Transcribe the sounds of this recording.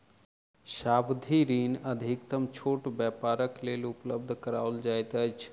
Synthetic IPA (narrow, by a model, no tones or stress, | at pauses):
sabd̪ʱiɾinəd̪ʱikt̪əmt͡ʃʰoʈbjapaɾəklelupləb̚d̪ʱkəɾaʊld͡ʒajt̪əjt͡ʃʰ